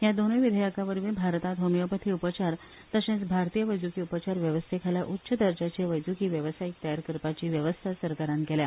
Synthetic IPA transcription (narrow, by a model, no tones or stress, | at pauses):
jad̪oniʋid̪ʱəjəkaʋəɾʋĩːbʱaɾt̪at̪ɦomijəpət̪ʰiːupət͡ɕaɾ | t̪əsẽt͡sbʱaɾt̪iːjəʋəjd͡zukiːupət͡ɕaɾʋjəʋəst̪ʰekʰaljaʔutːɕəd̪əɾd͡ʑat͡ɕeʋəjd͡zukiːʋjəʋsajik̚t̪əjaɾkɾpat͡ɕiːʋjəʋəst̪ʰasəɾkaɾãnkɛlja